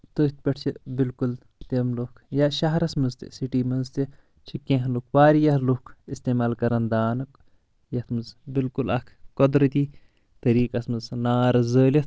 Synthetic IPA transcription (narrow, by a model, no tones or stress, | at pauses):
t̪ət̪̚ʰpʲɐʈʰt͡ʃʰibilkul | t̪emlokʰjɐʃɐɦɐɾɐsmɐnzt̪ḭsiʈiːmɐnzt̪i | t͡ʃʰikːẽɦlukʰʋaːɾijɐt̪lukʰist̪eːmaːlkɐɾɐnd̪aːnɐk | jɐt̪ʰmɨzbilkulɐkʰkod̪ɾɐt̪iː | t̪ɐɾiːkɐsmɨznaːɾɐzəːlɐt̪ʰ